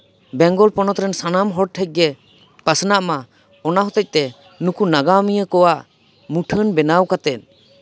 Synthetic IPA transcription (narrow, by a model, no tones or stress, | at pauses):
bɛŋɡɔlpɔnɔt̪ɾɛnsanamɦɔɽ̚ʈʰɛc̚ɡɛ | pasnaʔma | ɔnaɦɔt̪ɛc̚ˀt̪ɛ | nukunaɡamijəkɔwaʔ | muʈʰənbɛnawkat̪ɛn